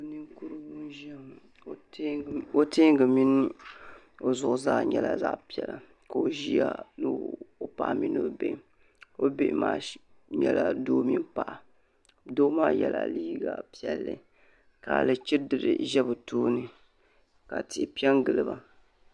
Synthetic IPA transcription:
o˨nɨ˦ŋku˦ɾɨ˦wu˦n˦ʒa˦˨˦ | o˦ti˦ŋ˦ɡɨ˨mi˦nɨ˦ | o˦zʊ˨ʔʊ˨zaː˦ɲɛ˦la̰˨za̰˦ʔpi˨ɛ˨la˨ | ka˨o˨ʒi˦a̰˦nɨ˦o˦pa˨ʔa˨mi˦no˦bḛ˨ʔ | o˦be˦ʔmaː˦ | ɲɛ˨la˦doː˦mi˦mpa˨ʔa˨ | doː˦maː˦jɛ˨la̰˨liː˦ɡa˨pi˦˨ɛ˦lːɨ̰˨ | ka˨lɨ˨t͡ʃi˦dɨ˨ɾɨ̰˨ʒɛ˦bɨ˨toː˦nɨ˨ | ka˨tɪ˨pi˦ɛ˦ŋɡɨ˨lɨ˨ba˨

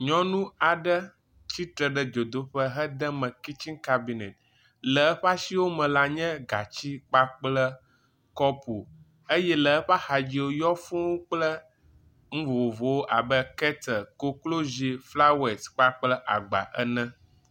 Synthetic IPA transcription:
ɲɔ̃˦nũ˦a˨ɖə˦ | t͡ɕi˦t̪ɾə˨ɖə˦d͡ʒo˨d̪o˦ɸə˦ɦə˦d̪ə˦mə̃˨ki˦t͡ʃi˦ŋka˦bi˨ne˨t̪̚ | lə˨ə˦ɸa˦si˦wo˦mɛ̃˨la˦ɲɛ̃˦ɡa˨t͡ɕi˦k͡pa˦k͡plə˦ | kɔ˦pu˨ | ə˦jɛ˦lə˨ə˦ɸa˦xa˨d͡ʑi˦wo˦jɔ˦fũ˦wo˦k͡plə˦ | ŋ̩˦vo˨wo˨vo˨wo˦ʔa˨bə˦kɛ˦t̪ə˨ko˦klo˦zi˨fla˦we˨tk͡pa˦k͡plə˦ʔa̰˨ɡ͡ba̰˨ʔə̰˦nɛ̃˦

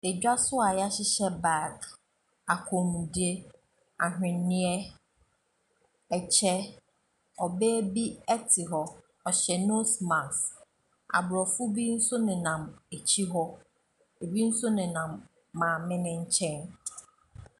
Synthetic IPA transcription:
e˨d͡ʑᶣa˦sʊ˦a˨ja˦ɕɪ˦ɕɛ˦ba˦˨ɡ | a˨kʰʊ˨mũ˨di˦e˦ | a̰˨ɦᶣɪ̃˨nnɪ̃˦ɛ˦ | ɛ˨t͡ɕʰɛ˦ | ɔ˨be˦bi˦ɛ˦tʰɪ˨ɦɔ˦ | ɔ˨ɕɛ˨no˦sma˨s | a̰˨bɾɔ˨fʊ˦bi˦n̩˦sʊ˦nɪ̃˨nã˨me˨t͡ɕʰi˦ɦɔ˦ | e˨bi˦n̩˦sʊ˦nɪ̃˨nã˨mː | ãː˨mɪ̃˦nɪ̃˦ɲ̩˦t͡ɕʰɛ̃˦n

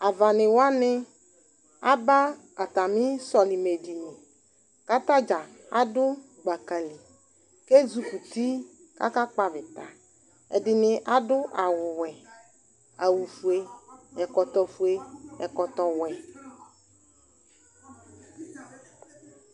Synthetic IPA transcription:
a˨va˨nɪ̃˨wa˦nɪ˦ | a˦ba˦ | a˨t̪a˨mĩ˦sɔ˨li˨me˨di˨nĩ˨ | ka˦t̪a˦d͡ʒa˨ | a̰˦dʊ˦ | ɡ͡ba˨ka˨li˨ | ke˦zu˨ku˨t̪i˦ | ka̰˦ka˦k͡pa˦vɪ˨t̪a̰˨ | ɛ˨dɪ˨nɪ˨ʔa˦dʊ˦ʔa˨wʊ˨wɛ˨ | a˨wu˨fu˨e˦ɛ˨kɔ˨t̪ɔ˨fu˨e˦ɛ˨kɔ˨t̪ɔ˨wɛ˨

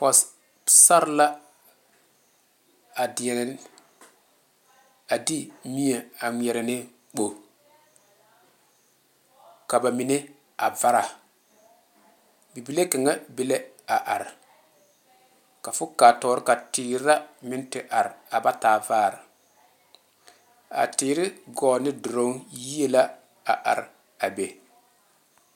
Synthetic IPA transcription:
pɔ˨s | sa˦ɾla˦ | a˨dɪ˨ɛ˨ | a˨di˦mi˦e˨a˨ŋʷ˨ɛ˨ɾɪ˨nɪ˦ | k͡po˨ | ka˨ba˨mi˨ne˦ | a˨va˦ɾa˨ | bi˨bi˨le˦ka˨ŋa˦bɪ˦le˦ | a˨ʔa˨ɾɪ˨ | ka˨fʊ˦kaː˨tɔː˨˦ɾɪ˦ka˨tɪː˨ɾɪ˦ɾa˦mɪ˦n˦tɪ˨ʔa˨ɾɪ˨a˨ba˦taː˨vaː˦˨ɾɪ˨ | a̰˨tɪː˨ɾɪ˦ɡɔː˨nɪ˦dʊ˨ɾo˦ŋji˦e˦la˦ | a˨ʔa̰˨ɾɪ˨ | a˨be˨

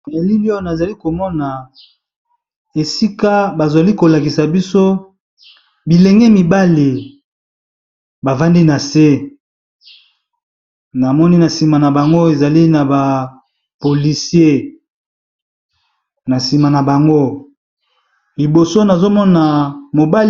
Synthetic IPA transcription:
e˨li˦li˦o˦˨na˨za˨li˦ko˨mɔ˦na˨ | e˨si˦ka˦ba˨za˨li˦ko˨la˨ki˨sa˨bi˦so˦ | bi˨le˨ŋɡɛ˦mi˨ba˦li˨ | ba˨va˦ndi˦na˨se˦ | na˨mɔ˦ni˦na˨si˨ma˨na˨ba˨ŋɡo˦e˨za˨li˦na˨ba˨ | po˨li˨sje˦ | na˨si˨ma˨na˨ba˨ŋɡo˦ | li˨bo˨so˦na˨zo˦mɔ˦na˨mo˨ba˦

